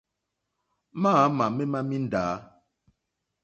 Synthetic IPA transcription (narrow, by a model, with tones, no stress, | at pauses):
maː˦ma˨me˦ma˦mi˦n̩˨daː˨˦